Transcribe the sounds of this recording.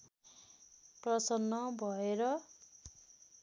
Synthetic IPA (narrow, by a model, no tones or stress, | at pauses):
prʌsʌnːʌbʱʌeɾʌ